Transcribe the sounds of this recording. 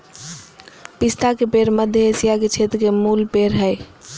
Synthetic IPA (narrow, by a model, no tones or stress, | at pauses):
pist̪akepeɾməd̪ʱjəesijaket͡ʃʰet̪ɾkemulpeɾɦəj